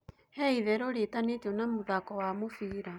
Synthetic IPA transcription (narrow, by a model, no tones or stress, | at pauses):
hɛiðɛɾoɾetanet͡ʃonamoðakɔwamofiːɾa